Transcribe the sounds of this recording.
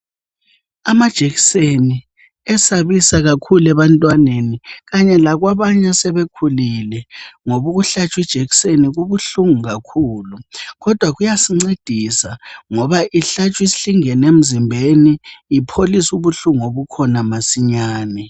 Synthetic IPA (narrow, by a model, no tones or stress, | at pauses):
amad̥ʒ̥ʱeɣiseni | ɛsaβisaɣakʰulɛβantʼwaneniɣaɲɛlaɣwaβaɲasɛβekʰulilɛŋoβuɣuɬat͡ʃʼwid̥ʒ̥ʱeɣiseniɣuβuɬuŋuɣakʰuːluɣɔd̥ʱwaɣujasiŋ͡ǀed̥ʱisaŋɔβaʔiɬat͡ʃʼwisi̥ɬiŋɛnem̩zimbʱeniipʰolisuβuɬuŋoβukʰɔnamasiɲaːnɛ